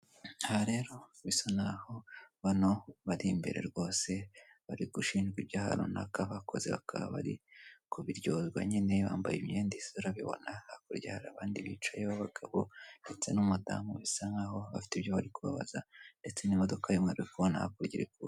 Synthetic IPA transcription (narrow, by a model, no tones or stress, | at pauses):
ahaɾe̞ɾo̞βisanaho̞βano̞βaɾimbeɾe̞̰ɾɡo̞ːse̞βaɾiɡuʃiːnd͡ʒɡwiβjaːha̰ɾo̰na̰kaβakʰo̞̰ze̞̰βa̰kʰaβa̰βa̰ɾikʰuβiɾɟo̞zɡwa̰ɲene̞βaːmbajimɲeːndisoɾaβiβo̞̰nahakuɾɟahaɾaβaːndiβit͡ʃajeβoβaɡ̥aβonde̞t͡se̞numuda̰muβisaŋaho̞βafi̥tiβjoβaɾikuβa̰βa̰zande̞t͡se̞nimo̞do̞kʰajumŋaɾikuβona̰ha̰kuɾɟiɾiku